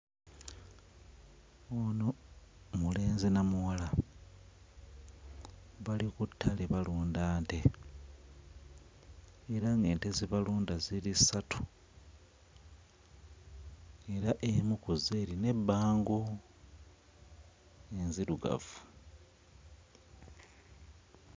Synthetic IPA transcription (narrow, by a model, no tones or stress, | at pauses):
onomule̞ːnzinamuwala | βalikutʰːaleβaluːndaːnte̞ | eɾaŋɡe̞ːnteziβaluːndazilisatʰu̥ | e̞ɾaʔemukuzeːɾine̞bːaːŋɡu | enziɾuɡa̰vu̥